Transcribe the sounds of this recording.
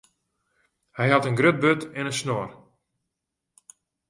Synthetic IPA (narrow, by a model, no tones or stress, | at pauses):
hɛjɦɑtənɡrøt̚bøtɪnənsnor